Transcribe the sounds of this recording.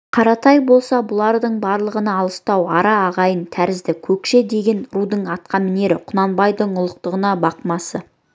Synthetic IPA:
qʰɑɾɑt̪ɑjbo̞lˠsɑbʊlˠɑɾd̪əɴbɑɾlˠəʁənɑːlˠəst̪ɑwɑɾɑːʁɑjənt̪ʰæɾɪzd̪ɪkʲʰɵkʃe̞d̪e̞ɡʲe̞nɾud̪əɴɑt̪̚qɑmɪne̞ɾɪ̰qʰʊnɑnbɑjd̪əɴʊlˠəq̚t̪əʁənɑbɑqmɑsə

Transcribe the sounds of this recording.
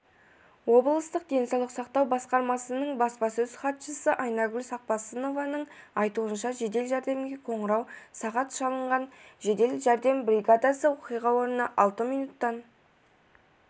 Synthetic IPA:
wo̞blˠəst̪əq̚d̪e̞nsɑwlˠəqsɑqt̪ɑwbɑsqɑɾmɑsənəɴbɑspɑsɵz̥χɑt̪ʃəsəʔɑjnɑɡʲʏlʲsɑq̚pɑsəno̞vɑnəɴɑjt̪uənʃɑʒe̞d̪e̞lʒæɾd̪e̞mɡʲe̞qʰo̞ɴəɾɑwsɑʁɑt̪ʃɑlˠəɴʁɑnʒe̞d̪e̞lʒæɾd̪e̞mbɾʲijɡad̪ɑsəwoqijʁɑwo̞ɾənəʔɑlˠt̪əmijnut̪ːɑn

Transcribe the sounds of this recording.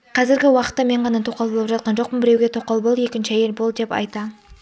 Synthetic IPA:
qʰɑzɪɾɡʲɪwɑqə̥t̪ːɑme̞ɴʁɑnɑt̪ʰoqɑlˠbolˠəpʒɑt̪̚qɑnʒo̞q̚pəmbɪɾe̞wɡʲe̞t̪ʰoqːɑlˠbolˠje̞kʲɪnʃɪɑje̞lbo̞lˠd̪e̞pɑ̰jt̪ɑ

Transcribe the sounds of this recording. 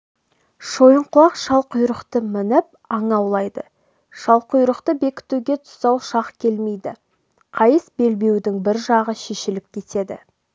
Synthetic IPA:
ʃo̞jəɴqʰʊlˠɑqʃɑlˠqʊjɾəqt̪əmɪnɪp̚ɑɴɑwlˠɑjd̪ə | ʃɑlˠqʊjɾəqt̪əbe̞kʲɪ̥t̪uɡʲe̞t̪ʰʊ̥sɑwʃɑqkʲʰe̞lme̞jd̪ɪ | qʰɑjəsbe̞lbe̞wd̪ɪŋbɪɾʒɑʁəʃeʃɪlɪp̚kʲʰe̞t̪e̞d̪ɪ̰

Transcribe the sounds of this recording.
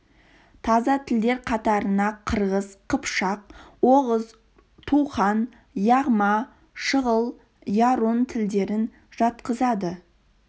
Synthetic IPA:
t̪ʰɑzɑt̪ʰɪld̪e̞ɾqʰɑt̪ɑɾənɑqʰəɾʁəzqʰəpʃɑq̚woʁəz | t̪ʰuχɑn | jɑʁmɑ | ʃəʁəlˠ | jɑɾont̪ʰɪld̪e̞ɾɪn | ʒ̥ɑt̪qəzɑd̪ə

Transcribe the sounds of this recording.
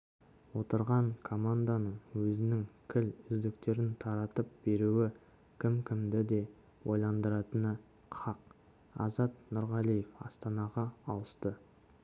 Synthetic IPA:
wo̞t̪əɾʁɑɴkʰo̞mand̪anəɴwɵzɪnɪŋkʲʰɪlʏzd̪ɪkt̪e̞ɾɪnt̪ʰɑɾɑt̪əp̚b̥e̞ɾuɪ | kʲʰɪmkʲʰɪmd̪ɪd̪e̞ | wo̞jlˠɑnd̪əɾɑt̪ənə | qʰɑq | ɑ̰zɑt̪nʊɾʁɑlˠijefɑ̰st̪ɑnɑʁɑːlˠəst̪ə

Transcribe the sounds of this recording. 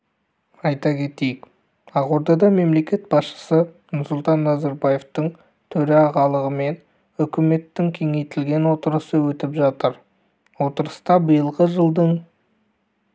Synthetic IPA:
ɑjt̪ɑkʲʰe̞t̪e̞jɪk | ɑqwo̞ɾd̪ɑd̪ɑme̞mle̞kʲe̞t̪bɑsʃə̥sə | nʊɾsʊlˠt̪ɑnːɑzɑɾbɑje̞ft̪əɴ | t̪ʰɵɾeɑʁɑlˠəʁəme̞n | ʏkʲɪme̞t̪ːɪŋkʲʰe̞ŋe̞jt̪ɪlɡʲe̞nwo̞t̪əɾəsəwɵt̪ɪpʒɑt̪əɾ | wo̞t̪əɾəst̪ɑbəjəlˠʁəʒəlˠd̪əɴ

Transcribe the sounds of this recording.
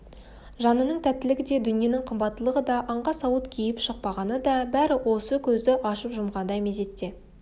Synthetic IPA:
ʒɑnənəɴt̪ʰæt̪ːɪlɪɡʲɪd̪e̞d̪ʏnije̞nɪŋqʰəmbɑt̪ːəlˠəʁəd̪ɑʔɑɴʁɑsɑwət̪kʲʰijɪpʃəq̚pɑʁɑnəd̪ɑbæɾɪwo̞səkʲʰɵzd̪ɪʔɑʃəpʒʊmʁɑnd̪ɑjmeze̞t̪ːe̞

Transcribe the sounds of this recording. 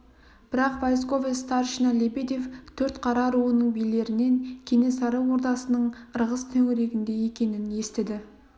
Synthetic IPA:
b̥ɪɾɑqvajs̬ko̞vʲest̪ɑɾʃinɑlʲebed̪ʲeft̪ʰɵɾt̪qʰɑɾɑɾuənəɴbijle̞ɾɪne̞ŋkʲʰe̞ne̞sɑɾəwwo̞ɾt̪ɑsənəɴəɾʁəst̪ʰɵweɾe̞ɡʲɪnd̪e̞je̞kʲe̞nɪnje̞st̪ed̪ɪ

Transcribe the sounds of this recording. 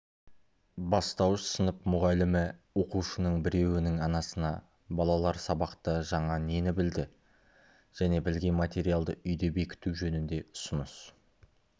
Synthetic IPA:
bɑst̪ɑwəʃsənəpmʊʁɑlɪmɪwo̞quʃənəɴbɪɾe̞wɪnɪŋɑnɑsənɑ | bɑlˠɑlˠɑɾsɑbɑqt̪əʒɑɴɑne̞nɪbɪld̪ɪ | ʒ̥æne̞bɪlɡʲe̞nmat̪e̞ɾijalˠd̪əʏjd̪e̞be̞kʲɪ̥t̪uwʒɵnɪnd̪e̞ʊ̥sənəs

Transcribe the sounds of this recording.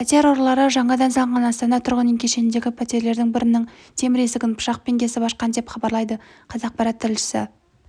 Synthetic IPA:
pʰat̪eeɾo̞ɾlˠɑɾəʒɑɴɑd̪ɑnsɑɴʁɑnɑst̪ɑnɑt̪ʰʊɾʁənəŋkʲʰe̞ʃe̞nd̪e̞ɡʲɪpʰat̪ʲeɾle̞ɾd̪ɪŋbɪɾɪnɪŋ | t̪ʰe̞mɪɾe̞sɪɡʲɪnpʰʊ̥ʃɑq̚pe̞ŋkʲe̞sɪbɑʃqɑnd̪e̞pχɑbɑɾlˠɑjd̪əqʰɑzɑq̚pɑɾɑt̪ʰːɪɾɪlʃɪ̥sɪ̰

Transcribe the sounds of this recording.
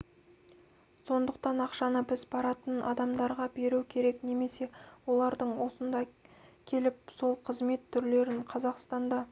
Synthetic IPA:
so̞nd̪əqt̪ɑnɑqʃɑnəbɪzbɑɾɑt̪ənʔɑ̰d̪ɑmd̪ɑɾʁɑbe̞ɾukʲʰe̞ɾe̞kne̞me̞se̞wo̞lˠɑɾd̪əɴwo̞sənd̪ɑkʲʰe̞lɪp̚so̞lˠqʰəzme̞t̪ʰːʏɾle̞ɾɪɴqʰɑzɑqst̪ɑnd̪ɑ

